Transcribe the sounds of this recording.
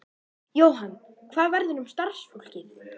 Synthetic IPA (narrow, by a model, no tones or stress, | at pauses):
jowɦan | kʰvaːðvɛɾðʏnʏmst̪ar̥sfowl̥cɪ